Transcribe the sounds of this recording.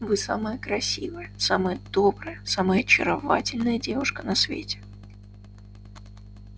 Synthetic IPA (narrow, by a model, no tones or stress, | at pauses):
vɨsa̰məjəkɾɐsʲivɨjəsaməjəd̪̥o̞bɾɨjəsaməjəɐt͡ɕːɪ̰ɾɐva̰tʲɪlʲnəjədʲevʊʂkənɐsvʲḛtʲɪ̥